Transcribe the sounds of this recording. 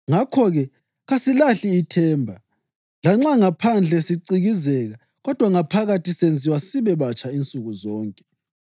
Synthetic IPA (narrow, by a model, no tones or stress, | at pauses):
ŋakʰɔɣɛ | ɣasilaɬiːtʰɛːmbʱa | laŋ͡ǁaŋapʰand͡ɮʱɛsiǀiɣizɛɣa | ɣɔd̥ʱwaŋapʰaɣatisend͡zʱiwasiβɛβat͡ʃʰʼaint͡sʼuɣuzɔːŋkʼɛ̥